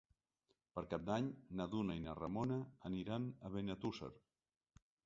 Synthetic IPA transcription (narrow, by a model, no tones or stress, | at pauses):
pəɾkap̚d̪aɲnaðunainaramonaːniɾanəβenat̪usḛɾ